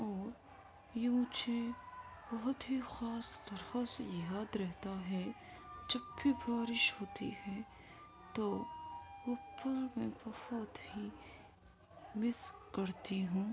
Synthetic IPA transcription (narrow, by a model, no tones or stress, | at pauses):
ɔːɾ | jũːt͡ʃẽbɐɦʊt̪ɦixaːst̪ɐɾxasjaːd̪ɾɛɦt̪aɦɛ | d͡ʒɐbːibaːɾɪʃɦoːt̪ḭɦɛː | t̪oː | ʊpːəɾmɛ̃ːbɐhʊt̪hi | mɪskɐɾt̪iɦũː